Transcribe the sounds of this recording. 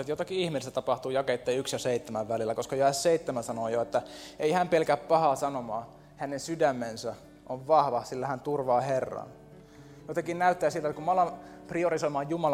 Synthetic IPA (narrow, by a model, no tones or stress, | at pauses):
et̪jot̪ɑkiihmilist̪æt̪ɑpɑht̪uːjɑket̪ːeːyksjɑseit̪ːemæʋʋælilːækoskɑjɑesseit̪ːemæsɑnoːjoet̪ːæeihæmpelkæppɑhɑːsɑnomɑː | hænensydæmːensæ | ʔoʋʋɑhʋɑsilːæhænt̪urʋɑːherːɑ̰n | jot̪ɑkinnæyt̪ːæːsilt̪æt̪kumɑlɑmpriorisoimɑːjjumɑl